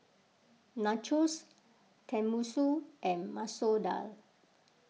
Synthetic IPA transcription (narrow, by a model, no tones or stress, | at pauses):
nat͡ʃus | tʰɛ̃musuʔɛ̃nmasoda̰l